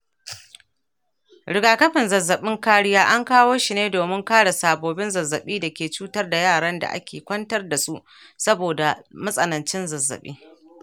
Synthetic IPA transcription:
ɽɪ˨ɡaː˨kɐ˦ɸɪ˨nzɐ˨zːɐ˨ɓɪ˦ŋkaː˦ɽɪ˦jaː˦ʔa˦ŋkaː˦woː˦ʃi˨neː˦doː˨mɪ˦ŋkaː˦ɽa˨saː˨boː˨bɪ˦nzɐ˨zːɐ˨ɓiː˦da˨kʲeː˨t͡ʃuː˦tɐ˦rda˨jaː˦˨ɽɐ˦nda̰˨ʔa̰˦kʲeː˨kʷɐ˦ntɐ˦rda˨su˦ʔ | sɐ˦boː˨da˨mɐ˦sʼɐ˨nɐ˨nt͡ʃɪ˦nzɐ˨zːɐ̰˨ɓḭː˦

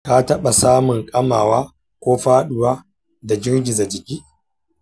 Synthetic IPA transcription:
ka˦tɐ˦ɓa˨saː˦mʊ˨ŋkʼɐ˦maː˨waː˦ | kʷoː˦ɸaː˦ɗʊ˨waː˦ | da˨d͡ʒɪ˦ɾɡʲɪ˨za˨d͡ʒɪ˨kʲiː˦

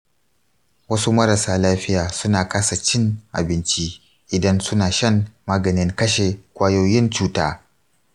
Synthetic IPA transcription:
wɐ˦su˦mɐ˦ɾɐ˨saː˨laː˦ɸɪ˦jaː˨sʊ˦naː˨kaː˦sa˨t͡ʃɪ˦ŋʔa̰˨bɪ˦nt͡ʃi˦ | ʔɪ˨dɐ˦nsʊ˦naː˨ʃɐ˦ŋːaː˦ɡɐ˨nɪ˦ŋkɐ˦ʃe˨kʷaː˦jo˦jɪ˦nt͡ʃuː˦taː˦

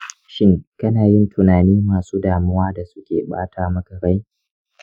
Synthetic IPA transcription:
ʃɪ˦ŋkɐ˦naː˨jɪ˦ntʰʊ˨naː˨niː˦maː˨suː˦daː˨mʊ˦waː˦da˨sʊ˦kʲḛː˨ɓa̰ː˦taː˦mɐ˦ɡɐ˨ɾa˦j

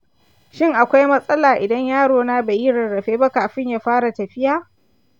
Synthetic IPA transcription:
ʃɪ˦ŋʔa˨kʷa˦jmɐ˦sʼɐ˦laː˨ʔɪ˨dɐ˦ɲjaː˦ɽoː˨naː˦beː˨ji˦ɽɐ˨nɽɐ˨ɸeː˦ba˦kaː˨ɸɪ˦ɲjaː˦ɸaː˦ɽa˨tɐ˨ɸɪ˦jaː˨

